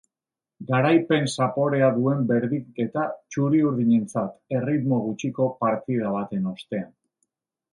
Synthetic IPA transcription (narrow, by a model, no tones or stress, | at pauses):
ɡaɾajpe̞nsapo̞ɾe̞aðue̞mbe̞ɾðike̞t̪at͡ʃuɾiuɾðiɲe̞nt͡sat̪e̞rit̪mo̞ɣ̞ut͡ʃiko̞paɾt̪ið̞aβ̞at̪e̞no̞st̪e̞an